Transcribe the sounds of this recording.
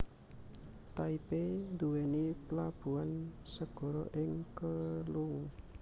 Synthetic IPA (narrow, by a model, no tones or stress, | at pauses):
t̪aipend̪uweniplab̥ṳansəɡ̥ɔ̤ɾɔ̰ʔɪŋkəluŋ